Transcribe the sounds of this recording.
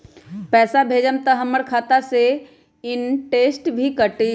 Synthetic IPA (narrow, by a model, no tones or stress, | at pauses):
pɛːsabʱeːd͡ʒəmt̪əɦəməɾkʰaːt̪ase | ɪnʈeːsʈbʱikəʈi